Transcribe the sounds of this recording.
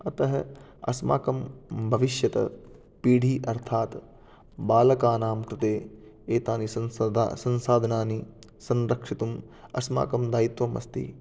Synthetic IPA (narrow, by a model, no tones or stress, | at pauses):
ɐt̪ɐɦɐ | ɐ̰sma̰ːkɐmbʱɐʋiʃjɐt̪ɐ̰ | piːɽʱiːʔɐɾt̪ʰaːt̪ | baːlɐkaːnaːmkɾɪt̪eː | eːt̪aːnisɐnsɐ̃nsaːd̪ʱɐnaːnisɐnɾɐkʂit̪um | ɐsma̰ːkɐmd̪aːjit̪ʋɐmɐ̰st̪ḭ